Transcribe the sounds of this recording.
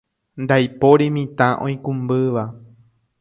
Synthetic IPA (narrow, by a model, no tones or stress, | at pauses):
nd̪ajpo̞ɾemĩt̪ãʔõj̃kũmbɨʋa